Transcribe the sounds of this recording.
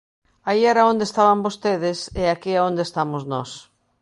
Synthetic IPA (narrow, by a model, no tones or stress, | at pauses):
aiɛɾaond̪est̪aβambost̪eðɪseakiaond̪est̪amoznɔ̰s